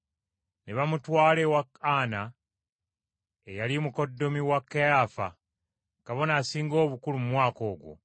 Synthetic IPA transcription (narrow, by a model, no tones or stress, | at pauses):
neβamutwaːle̞wakaːna | ejalimuko̞dːo̞miwakːejaːfa̰ | kaβo̞nasiːŋɡo̞ːβukulumumwaːko̞ːɡwo̰